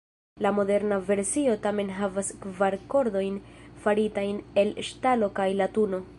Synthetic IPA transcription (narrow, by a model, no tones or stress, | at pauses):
lamo̞de̞ɾnave̞ɾsio̞tame̞nɦavaskvaɾko̞ɾdo̞jnfaɾitajne̞lʃtalo̞kajlatuno̞